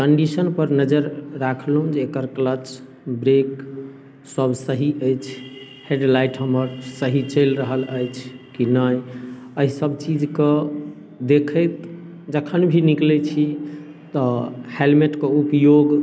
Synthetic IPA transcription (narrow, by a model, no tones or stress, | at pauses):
kəɳɖisənpəɾnəd͡ʒəɾːakʰlɦũd͡ʒeːkəɾklət͡ʃ | bɾek | səbʱsəɦiʔəjt͡ʃʰ | heɖlajʈɦəməɾsəɦit͡ʃəɪlɾəɦələjt͡ʃʰkinəj | əɦisəbt͡ʃid͡ʒke | d̪ekʰəjt̪ | d͡ʒəkʰənbʱiniklɛt͡ʃʰi | t̪ɔhelmeʈkeupjoɡ